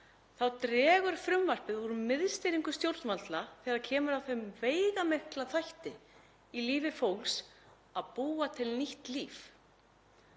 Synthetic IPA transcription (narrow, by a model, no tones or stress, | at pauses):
θawt̪ɾɛːɣʏɾ̥fɾʏmvar̥pɪðvɔɾʏmɪðst̪ejɾiŋkʏst̪jowlɾt̪nmalt̪laθɛːɣaɾcʰɛːmʏɾawθejmveːjɣamehklaθajht̪ɪ | iliːvɪfowls | aðpuːat̪ʰɪlniht̪liːf